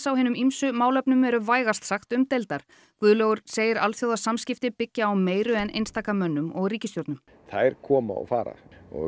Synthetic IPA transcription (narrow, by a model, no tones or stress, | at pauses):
sawhɦɪːnʏmimsʏmaːwlœpnʏmɛɾʏvaːjɣast̪saxt̪ʏmt̪elt̪aɾ̥ | kvʏːðloːɣʏɾ̥seːjɪɾalθjowðasamscɪft̪ɪpɪcːaːwmeːjɾʏɛnʔḛjnst̪aːkamœnːʏmɔɣriːcɪst̪jowɾt̪nʏm | θajɾ̥kʰɔːma̰ɔ̰ɣfaːɾa̰ɔ̰